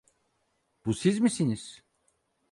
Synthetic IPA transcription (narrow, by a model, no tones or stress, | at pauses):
b̥usizmisiniz̥